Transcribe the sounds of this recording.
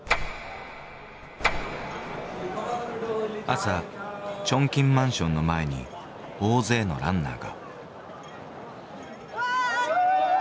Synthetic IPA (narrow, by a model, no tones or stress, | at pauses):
asat͡ɕõ̞ŋkʲĩmmãɰ̃ɕõ̞nːo̞mae̞ɲ̟ḭ | oːze̞ːno̞̰ɾãnːa̰ːɡa̰